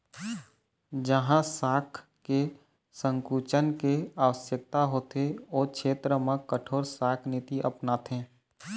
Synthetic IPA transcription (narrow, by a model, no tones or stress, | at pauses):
d͡ʒəɦãsaːkʰ | ke | sə̃ŋkuːt͡ʃənkeaːʋəsjək̚t̪aɦoːt̪eoːkʃʰeːt̪ɾəmãkəʈʰoːɾsaːkʰnɪt̪iʔɐpnaːt̪ʰẽː